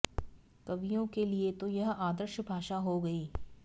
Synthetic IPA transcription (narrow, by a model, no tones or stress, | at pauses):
kɐʋijõkeliet̪ojɐɦaːd̪əɾʃbʱaːʃaɦoɡɐiː